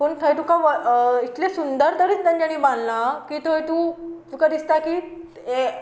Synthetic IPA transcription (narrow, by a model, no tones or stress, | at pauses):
pəɳt̪ʰəjt̪ukaʋəit̪lesund̪əɾt̪əɾiːt͡st̪ãɲd͡ʑaɽ̃iːbãnlakiːt̪ojt̪uːtukad̪ist̪akiː | e